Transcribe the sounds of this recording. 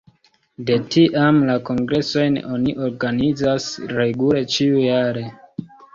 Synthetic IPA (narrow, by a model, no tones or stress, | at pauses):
de̞tiʔamlako̞ŋɡɾe̞so̞jno̞niʔo̞ɾɡanid͡zasɾe̞ɡule̞t͡ʃiujaɾe̞